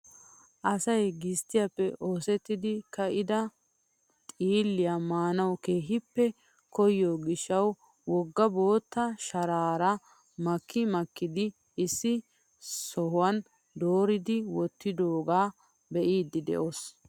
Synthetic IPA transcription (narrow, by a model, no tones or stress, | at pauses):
ʔɐsɐjɡɪst̪ːɪjɐpːɛʔoːsɛt̪ːɪd̪ɪkɐʔɪd̪ɐ | t̪ʼiːlːɪjɐmaːnɐwkeːɦɪpːɛ | kɔjːoːɡɪʃːɐw | wɔɡːɐbo̞ːt̪ːɐʃɐɾaːɾɐ | mɐkʰːɪmɐkːɪd̪ɪ | ɪsːɪ | sɔɦʊwɐn | d̪oːɾɪd̪ɪwɔt̪ːɪd̪oːɡaː | bɛʔiːd̪ɪd̪ɛ̰ʔos